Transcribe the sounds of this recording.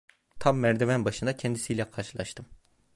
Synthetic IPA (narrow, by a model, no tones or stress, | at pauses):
t̪ʰamːæɾd̪evænbaʃɯnd̪acʰɛnd̪isijlʲɛkʰaɾʃɯlˠaʃt̪ʰɯm